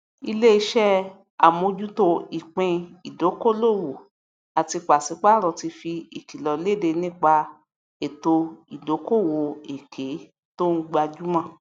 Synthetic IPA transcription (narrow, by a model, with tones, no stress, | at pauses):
i˧le˦i˧ʃɛ˦ | a˨mõ˧d͡ʒu˦to˧i˨k͡pẽ˧i˨do˨˦ko˦lo˦˨wo˨ | a˨ti˧k͡pa˨si˨˦k͡pa˦˨ɾɔ˨ti˧fi˧i˨ki˨lɔ˨le˦˨de˧nĩ˦k͡pa˧ | e˨to˧i˨do˨˦ko˦˨wo˧˨e˨kʰe˨˦ | to˦n̩˦ɡ͡ba˧d͡ʒu˦mã˦˨